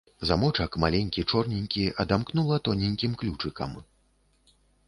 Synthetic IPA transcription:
zamɔt͡ʂɐkmalʲenʲkʲit͡ʂɔrnʲenʲkʲiɐd̪amknulˠɐt̪ɔnʲenʲkʲimklʲut͡ʂɨkɐ̰m

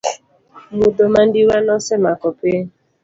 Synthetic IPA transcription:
mudoman̩diwanɔsɛmakɔpe

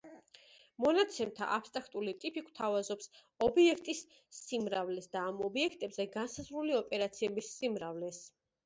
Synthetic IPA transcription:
mɔnat̪sʰɛmt̪ʰa̰ʔapʰst̪ʼɾakʰt̪ʼulit̪ʼipʰʼikʰwt̪ʰavazɔps | ɔbiɛkʰt̪ʼisː | imɾavlɛsd̪aːmɔbiɛkʰt̪ʼɛbzɛɡansazɾuliɔpʼɛɾat̪sʰiɛbisːimɾavlɛs

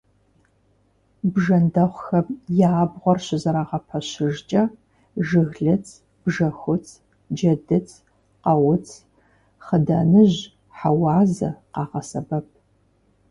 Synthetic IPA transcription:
bʒɐndɐχʷxɐmjaːbʁʷɔrɕɪzɐɾaːʁɐpʰɐɕɪʒt͡ʃʼɐ | ʒɨɣɮɨt͡sʼʰ | b̥ʒɐxʷʊt͡sʰʼ | d͡ʒɐdɨt͡sʰ | qɐwʊt͡sʰ | χəda̰ːnɨʑ | ħawɑːzɐ̰qɑːʁɐsɐbɐp̚ʰ

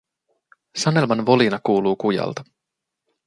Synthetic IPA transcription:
sɑne̞lmɑnʋo̞linɑkuːluːkujɑ̰lt̪ɑ̥

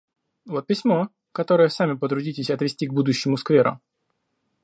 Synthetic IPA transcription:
vo̞t̪̚pʲɪsʲmo̞ | kɐt̪o̞ɾəjəsamʲɪpət̪ɾʊdʲitʲɪsʲɐt̪vʲɪsʲtʲiɡ̚bud̪ʊɕːɪmʊskvʲeɾʊ̰

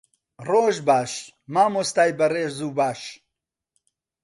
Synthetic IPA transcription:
roːʒbaːʃ | maːmost̪aːjbɐreːʒzuːbaːʃ

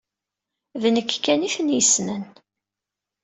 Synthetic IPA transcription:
ðnəkːkːæniθənjəsnən

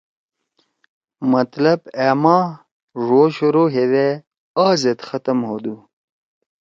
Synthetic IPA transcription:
mɐt̪lɐbeːmɑ̃ː | ʐoːɕuɾoːɦewe | aːzet̪xət̪əmɦoːd̪u

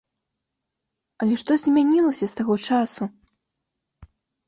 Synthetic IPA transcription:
ɐlʲɛʂt̪ɔzʲmʲanʲilˠɐsʲɐst̪aɣɔt͡ʂasu

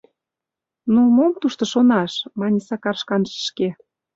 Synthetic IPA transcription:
numomt̪uʃt̪ɤ̆ʃonɑʃmɑnʲisɑkɑrʃkɑnʒə̥ʃke

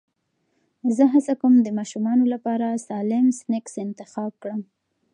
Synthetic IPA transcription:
zəɦasakumd̪əmɑʃumɑnolapɑɾasɑlɪmsnɪksɪnt̪ɪxɑb̚kɽəm

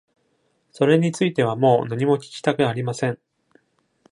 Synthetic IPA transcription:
so̞ɾe̞ɲ̟it͡sɨit̪e̞β̞amo̞ːnaɲ̟imo̞kʲi̥kʲi̥t̪akɯ̟aɾʲimasẽ̞ɴ

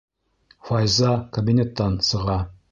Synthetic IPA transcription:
fɑjzɑkɐbʲinʲet̪ːɑnsɤ̆ʁɑ

